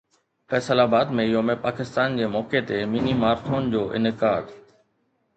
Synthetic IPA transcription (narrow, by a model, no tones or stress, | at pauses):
fɛːsəlabaːd̪mẽɪɦomẽpaːkɪst̪aːnd͡ʑeːmɔːket̪eminimaːɾt̪ʰoːnd͡ʑoːʔɪ̰nɪkaːd̪